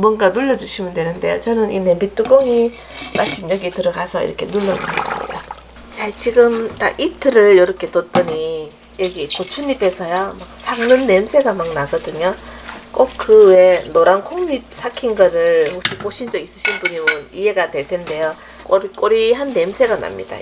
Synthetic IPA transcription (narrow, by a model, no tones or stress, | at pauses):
mwʌnɡanuʎːʌd͡ʑuɕʰimɯndwe̞nɯnde̞jo̰t͡ɕʌnɯnʔḭnemit͈uɡoŋi | pat͡ɕʰimjʌɡitɯɾʌɡasʰʌḭɾʌkʰe̞nuɭːʌuʌɕʰimɲḭda | t͡ɕat͡ɕiɡɯmtaɡʔitʰɯɾɯɭjʌɾʌkʰe̞tot͈ɯɲi | jʌɡikot͡ɕʰuɲibe̞sʰʌjʌmak̚sʰaŋnɯnːe̞msʰe̞ɡamaŋnaɡʌdɯɲok͈ok̚kɯwe̞noɾankʰoŋɲip̚sʰakʰinɡʌɾɯɭhokɕʰipoɕʰind͡ʑʌis͈ɯɕʰinpuɲimɯnie̞ɡadwe̞ɭtʰe̞nde̞jo | k͈oɾk͈oɾiɦanːe̞msʰe̞ɡana̰mɲḭda̰